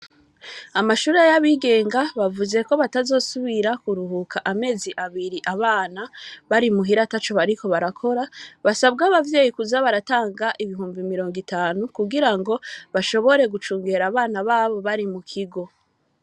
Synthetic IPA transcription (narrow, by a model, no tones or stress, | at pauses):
amaʃuːɾe̞jaβiːɡe̞ːŋɡaβavuze̞ko̞βatazo̞ːsuβiɾakuɾuɦukʰaʔame̞ːziʔaβiɾiʔaβaːnaβaɾimuɦiɾatat͡ʃo̞βaɾiko̞βaɾakʰo̞ɾaβasabɡaβavje̞ːjikuzaβaɾataːŋɡaʔiβiɦuːmbimiɾo̞ːŋɡitaːnukuɡiɾaŋɡo̞βaʃo̞βo̞ɾe̞ɡut͡ʃuːŋɡe̞ɾaβaːnaβaːβo̞βaɾimukʰiɡo̞